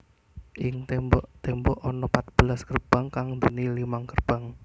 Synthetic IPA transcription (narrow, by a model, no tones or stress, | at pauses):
ʔɪŋt̪ɛbɔt̪ɛmbɔʔɔnɔpat̪̚b̥əlaskərb̥a̤ŋkaŋd̪oənilimaŋkərb̥a̤ŋ